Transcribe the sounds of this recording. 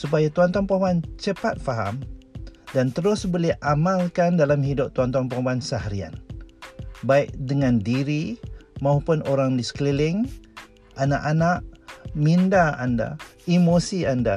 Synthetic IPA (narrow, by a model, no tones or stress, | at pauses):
supajat̪uant̪uaŋpabant͡ʃəpat̪̚faɦa̰m | dant̪əɾʊsbolɛhʔamalkandalamɦidʊp̚t̪uant̪uaŋpabansəɦaɾia̰n | baɪʔ̚dəŋandiɾimaupʊnoɾaŋdisə̥klilɪŋ | ʔanaʔanaʔmindaanda̰imosianda